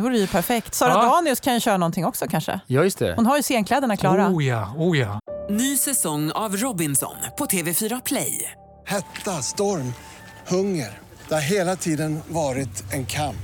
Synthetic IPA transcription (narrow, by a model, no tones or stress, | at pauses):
ɛvuːɾəjɵpʰæɾfɛkt̪sɑːɾad̪ɑːnɪʊskʰanjɵɕœːɾanɔnt̪ʰɪŋːɔksɔkʰanʂə̰jɑːjɵst̪ʰɛ̰hʊnɦaɾjɵseːnkʰlɛd̪əɳakʰlɑːɾajɑːuːjɑːnyːsɛsɔŋːavɾɔbɪnsɔ̰npʰɔt̪ʰeːvɛfyːɾapʰlɛ̰j | hɛt̪ːast̪ɔɾm | hɵŋːəɾ | d̪̥ɛhaɾɦeːlat̪ʰiːd̪ənvɑːɾɪt̪ɛnkʰamp